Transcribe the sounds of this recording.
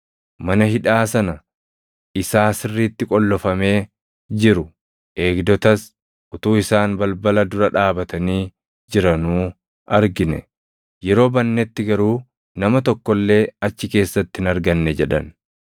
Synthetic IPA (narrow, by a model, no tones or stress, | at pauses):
mɐnɐɦɪᶑaːsɐnɐ | ʔɪsaːsɪrːiːt̪ːɪkʼɔlːɔfɐme̞ː | d͡ʒɪɾʊ | ʔe̞ːɡd̪ɔt̪ɐs | ʔʊt̪uːɪsaːnbɐlbɐlɐd̪ʊɾɐᶑaːbɐt̪ɐniː | d͡ʒɪɾɐnuː | ɐɾɡɪnɛ̰ | jɛɾo̞ːbɐnːɛt̪ːɪɡɐɾuː | nɐmɐt̪ɔkːɔlːe̞ːɐt͡ʃːɪke̞ːsːɐt̪ːɪhɪnɐɾɡɐnːɛd͡ʒɛᶑɐ̰n